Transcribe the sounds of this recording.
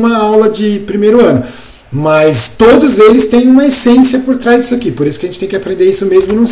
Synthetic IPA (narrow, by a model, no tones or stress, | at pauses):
mɐawlɐd͡ʒɪpɾimejɾʊɐ̃nʊ | mɐst̪od̪ʊzelɪst̪ẽj̃ũmɐesẽsiɐpoɾt̪ɾazd͡ʒisʊakipoɾisʊkɪɐʒẽt͡ʃɪt̪ẽj̃kapɾẽnd̪eɾisʊmezmʊinɐ̃w̃